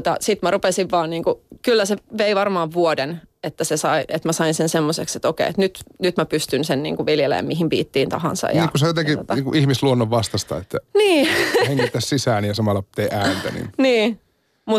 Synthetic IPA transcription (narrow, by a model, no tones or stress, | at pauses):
t̪ɑsit̪mærupesiʋʋɑːnniːŋkukylːæseʋeiʋɑrmɑːʋʋuodenet̪ːæsesɑiʔet̪mæsɑinsensemːosekset̪okḛiḛt̪nyt̪nyt̪mæpyst̪ynsennḭːŋkuʋiljelḛːmiɦimpḭːt̪ːiːnt̪ɑ̰ɦɑ̰nsɑ̰jniːkusejot̪eŋkiot̪niːŋkuʔihmisluonːoʋːɑst̪ɑst̪ɑ̰et̪ːæniːheŋːit̪ːæssisæːnijɑsɑmɑlːɑt̪eːʔæːnt̪ænḭnniː | mu